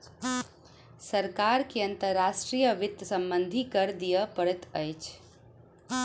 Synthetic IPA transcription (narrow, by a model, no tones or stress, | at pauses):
səɾkaɾkeənt̪əɾːasʈɾijəʋɪt̪sə̃mbənd̪ʱikəɾd̪ijəpəɽɛt̪əjt͡ʃʰ